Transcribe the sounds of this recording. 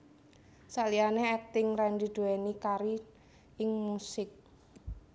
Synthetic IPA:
saʔlianeɛt̪ɪŋrɛndid̪̥o̤ɛnikaɾi | ɪŋmusɪk̚

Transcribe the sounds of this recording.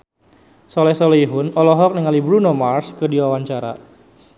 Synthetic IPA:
sɔlɛsɔleɦʊnɔlɔɦɔk̚nəŋalibɾunɔmarskədiwawaɲt͡ʃaɾa̰

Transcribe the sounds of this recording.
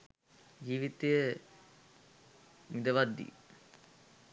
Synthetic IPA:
d͡ʒiːʋit̪ejə | mid̪əʋad̪ːḭ

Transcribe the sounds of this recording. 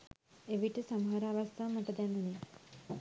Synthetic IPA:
eʋiʈəsaməɦaɾaːʋast̪ʰaːmatəd̪ænune

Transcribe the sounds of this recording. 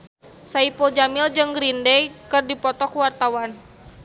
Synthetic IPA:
saipɔd͡ʒamild͡ʒɨŋɡɾindɛjkɨrdipɔt̪ɔkwart̪awan

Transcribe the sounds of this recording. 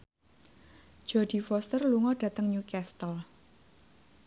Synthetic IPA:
d͡ʒ̥ɔɖ̥i̤fɔst̪ərluŋɔɖ̥ä̤t̪əŋɲukɛst̪əl

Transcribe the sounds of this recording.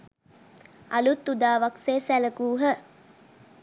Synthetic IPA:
alut̪ːud̪aːʋakseːsæləkuːɦə

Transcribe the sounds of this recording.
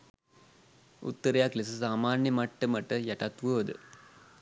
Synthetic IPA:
ṵt̪ːɐɾɐjaːkles̬ɨsaːmaːnjɐmɐʈːɐmɐʈːɐjɐʈɐt̪ʋuɐd̪ɨ̰

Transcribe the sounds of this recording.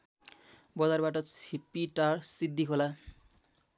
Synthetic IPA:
bɔd͡zarbaʈʌt͡sʰipiʈaɾsid̪ːikʰola

